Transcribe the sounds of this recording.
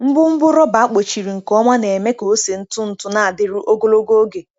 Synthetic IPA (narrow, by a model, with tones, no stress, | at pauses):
m̩˦bʊ˦m̩˦bʊ˦ɾɔ˦ba˨a˦k͡po˨t͡ʃi˨ɾi˨ŋ̩˨kɔ˦ŋʷa˦ne˨e˨me˦ko˨˦se˨n̩˦tʊ˦n̩˨tʊ˦na˨a˨dɪ˦ɾu˦ʔo˦ɡo˦lo˦ɡo˦o˦ɡe˨